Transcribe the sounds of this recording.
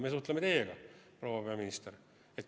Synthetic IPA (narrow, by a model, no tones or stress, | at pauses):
mesuht̪lemet̪e̞jeɡ̥ɑpro̞wɑpeɑminist̪eɾ | et̪ːˑ